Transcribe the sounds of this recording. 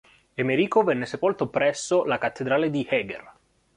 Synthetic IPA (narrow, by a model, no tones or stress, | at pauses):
emeɾiːkovɛnːesepolt̪opɾɛsːolakat̪ːed̪ɾaːled̪ihɛːɡḛr